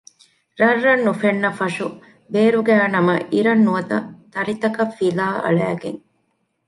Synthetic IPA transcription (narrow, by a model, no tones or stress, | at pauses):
ɾɐrːɐnːufenːɐfɐʂu | beːɾuɡæːnɐmɐʔiɾɐnːuɐt̪ɐ̰t̪ɐɾit̪ɐkɐfːilaːʔɐ̰ɭæːɡeŋ